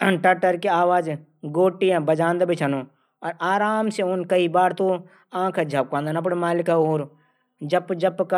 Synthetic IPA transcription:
ʈɐʈəɾkeaːʋaːd͡ʒ | ɡoːʈːiãbɐd͡ʒãːnd̪bit͡ʃʰɐno | ɔːɾaːɾaːmseʊnkɐibaːɾt̪o | ãːkʰed͡ʒʱɐp̚kãːnd̪anɐp̬ɽemaːlɪkaoːɾ | d͡ʒɐbd͡ʒɐbkɐ

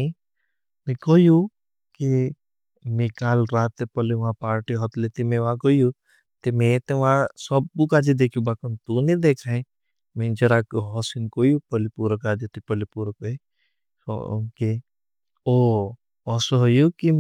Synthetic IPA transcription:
mẽkoju | ki | mẽkaːlɾaːt̪epəliʋãpaːɾʈiɦɔt̪leːt̪imẽʋãkoju | t̪emẽt̪eʋãsɔb̚ukaːd͡ʒid̪eːkʰjũbakənt̪uned̪eːkʰaẽ | mẽd͡ʒɐɾakɦɔsinkojupəlipuɾəkaːd͡ʒet̪ipəlipuɾək̚əḭ | ke | o | ɔsoɦojuki

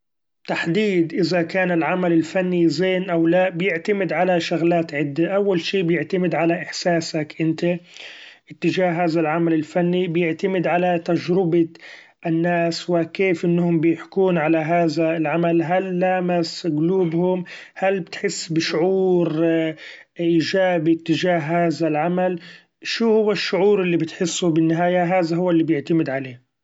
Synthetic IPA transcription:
t̪aħd̪iːd̪ʔɪzakaːnɪlʕamalɪlfanːizeːnʔawlaʔbɪjɪʕt̪amɪd̪ʕalaʃaɣlaːt̪ʕɪd̪ːaʔawːalʃiːbjɪʕt̪amɪd̪ʕalaʔɪħsaːsakʔɪnt̪e | ʔɪt̪ːɪd͡ʒaːhɦaːðalʕamalɪlfanːibjɪʕt̪amɪd̪ʕalat̪ad͡ʒɾɪba | ʔɪnːaːswɪkeːfʔɪnːhʊmbɪjɪħkuːnʕalaɦaːðaɪlʕamalɦalːaːmɪsɡluːbhʊmhalbɪt̪ħɪsːbɪʃʊʕuːɾ | ʔɪːd͡ʒaːbit̪ːɪd͡ʒaːɦhaːðalʕamal | ʃuːhʊwːaʃːʊʕuːɾʔɪlːibɪt̪ħɪsːubɪnːɪɦaːjaɦaːðaɦʊwːalːibjɪʕt̪amɪd̪ʕaleː

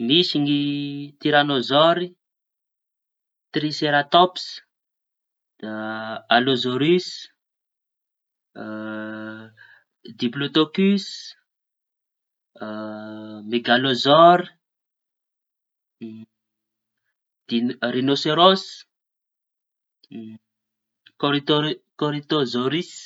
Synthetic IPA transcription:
misiŋit̪iɾanozɔɾi | t̪ɾiseɾat̪ɔps | alozoɾys | d̪iblot̪okys | meɡalozɔɾ | irinoseɾos | koɾit̪okoɾit̪ozoɾis

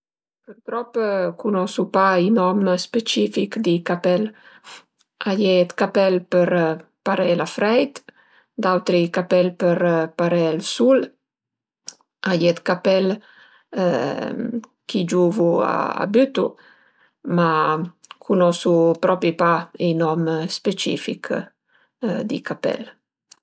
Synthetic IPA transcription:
pəɾt̪ɾɔpːkunɔsupainɔmspet͡ʃifikd̪ikapɛl | ajɛt̪kapɛlpəɾpaɾɛlafɾɛjt̪ | d̪awt̪ɾikapɛlpəɾpaɾɛlsul | ajɛt̪kapɛl | kʰid͡ʒuvua̰a̰byt̪u | ma | kʰunɔsupɾɔpipainɔmspet͡ʃḭfḭk | d̪ḭkapɛ̰l

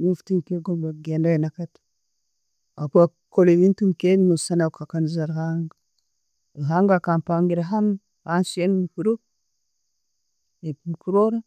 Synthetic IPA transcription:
nuftinkeɡombaɡendajinakat | apa | kolevintumkennusanakakanzaɾhaŋ | ɦaŋɡakampaŋɡiɾaɦan | hansenhuɾu | ekukuɾoɾa

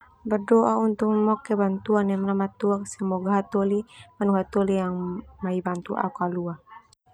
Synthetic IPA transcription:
bərdoʔaunt̪ʊk̚mɔkɛbant̪uanamnamat̪uaksəmɔɡaɦat̪ɔlimanuɦat̪ɔlijaŋmaibant̪uʔa̰kalua

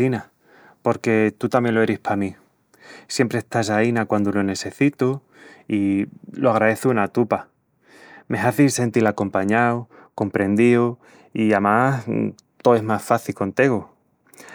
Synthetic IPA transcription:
ina | po̞ɾke̞t̪ut̪amje̞nlo̞eɾihpʰami | sje̞mpɾest̪as̬ainakwand̪olone̞se̞θit̪u | iloaɣ̞ɾaðe̞θuunat̪upa | me̞ɦaθilse̞nt̪ilako̞mpaɲaw | ko̞mpɾe̞nd̪io | iamas | t̪oe̞zmasfaθilko̞nt̪eɣo

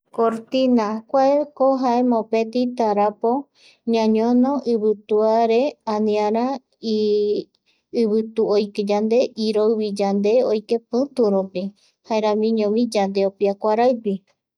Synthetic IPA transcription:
koɾt̪inakʷaekoɦaemõpet̪it̪aɾapo | ɲãɲõnõʔɨβɨt̪uaɾeãnĩãɾa | i | ɨβɨt̪uojked͡ʒand̪e̞ʔiɾowβid͡ʒand̪e̞ojkepɨ̃t̪uɾupi | haeɾãmĩɲõmid͡ʒand̪e̞opiakʷaɾaɨpi

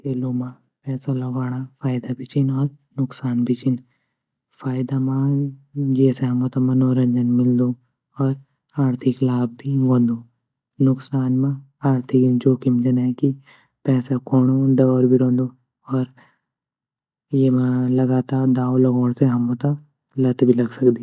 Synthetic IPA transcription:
keːloːma | pɛːsalɐɡaːɽafʰaːɪd̪abʱit͡ʃinɔːɾ | nʊksaːnbʱit͡ʃɪn | fʰaːjd̪amã | jeseɦɐmot̪amɐ̃noːɾəɲd͡ʒənmɪld̪o | ɔːɾ | aːɾt̪ʰɪklaːb̚ːʱiʋõːnd̪oː | nʊksaːnmã | aːɾt̪ʰɪkd͡ʒoːkɪmd͡ʒɐnɛki | pɛːsakʰoːɽ̃oɖɐːɾbʱiɾõːnd̪o | ɔːɾ | jemãlɐɡaːt̪aːɾd̪aːolɐɡoːɽseɦɐmõt̪ɐ | lɐt̪bʱilɐɡsɐkd̪i

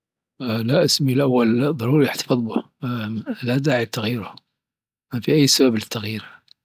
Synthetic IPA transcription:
laʔɪsmilʔawːalðˤːɑɾuːɾjaħt̪ḁfɨðˤbʊ | lad̪aːʕit̪ːaɣjiːɾʊ | mafiʔajːsabablɪt̪ːaɣjiːɾ

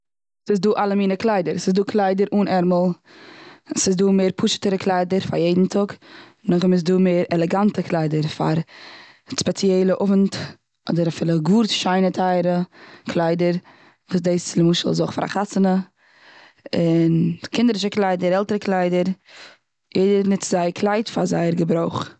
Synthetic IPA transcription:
sɪs̬duːʔalˠəmiːnəklˠaɪdəɾsɪsduːkʰlˠaɪdəɾʔuːnɛɾməlˠ | sɪsduːmeːɾpʰʊʃə̥təɾəkʰlˠaɪdəɾfa̰ɾjeɪdn̩tʰʊk | nʊχɪmɪs̬duːmeːɾɛlˠɛɡantəkʰlˠaɪdəɾfa̰ɾ | spɛt͡sjɛɪlˠəʔʊvnt | ʔɔdəɾafɪːlˠəɡuːɾtʃaɪnətʰaɪɾəkʰlˠaɪdəɾ | vuːsdeɪsɪlɪmuːʃəl̩ˠzoχfa̰ɾa̰χasənə | ɪnkʰɪndəɾɪʃ̬əklˠaɪdəɾɛlˠtəɾəklˠaɪdəɾ | jeɪdənɪtzaɪəkʰlˠaɪtfaza̰ɪəɾɡəbɾoʊχ

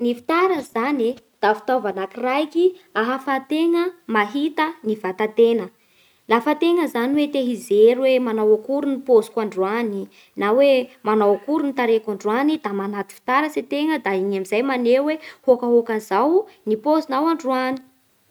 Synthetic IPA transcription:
nifi̥t̪aɾəzani | d̪̥afi̥t̪avanakirajkiaɦafat̪eŋəmaɦit̪ənivat̪at̪enə | lafət̪eŋəzaniwet̪eɦizeɾuwemanawakuɾunipozi̥kwaɳɖ͡ʐuani | nawemanawakuɾunit̪aɾekaɳɖ͡ʐuanid̪amanat̪i̥fi̥t̪aɾəset̪eŋəd̪aiɲamizajmanewehokaɦokanzawnipozinawaɳɖ͡ʐuani̥

